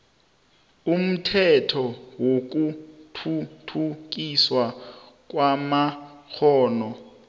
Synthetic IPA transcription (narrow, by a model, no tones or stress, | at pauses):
um̩tʰɛtʰɔwok̬utʰutʰuk̬ʼiswa | k̬ʼwamak͡xʰɔːnɔ